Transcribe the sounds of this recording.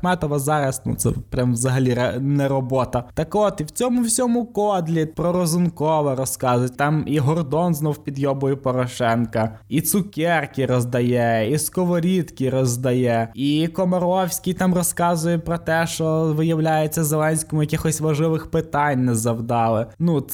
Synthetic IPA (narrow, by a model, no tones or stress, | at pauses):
mɛt̪ɔʋɐzɑɾɐsnṵt̪sɛ̰pɾʲamʋzɐɦɐlʲiɾɐnɛɾɔbɔt̪ɐt̪ɐkɔt̪iwt͡sʲɔmʊwsʲɔmʊkɔd̪lʲit̪̚pɾɔɾɔzʊnkɔʋɛɾɔskɑzʊjtʲt̪ɑmiɦɔrd̪ɔnznɔwpʲid̪jɔbɔjʊpɔɾɔʃɛnkɐit̪sʊkʲɛrkʲiɾɔzd̪ɐjɛiskɔʋɔɾʲit̪kʲiɾɔzd̪ɐjɛikɔmɐɾɔwsʲkʲit̪ɑmrɔskɑzʊjɛpɾɔt̪ɛʃt͡ʃɔʋɪjɐwlʲajet͡sʲːɐzelˠɛnʲsʲkɔmʊjɐkʲixɔsʲʋɐʒɪʋɪxpɪt̪ɑnʲnɛzɐwd̪ɑlˠɪnu